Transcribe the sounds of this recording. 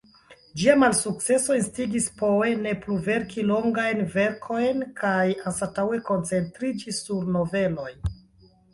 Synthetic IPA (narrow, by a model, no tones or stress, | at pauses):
d͡ʒiamalsuk̚t͡se̞so̞instiɡispoene̞pluve̞ɾkʰilo̞ŋɡajnve̞ɾkʰo̞jnkʰajansatawe̞ko̞nt͡se̞ntɾid͡ʒisuɾno̞ve̞lo̞jn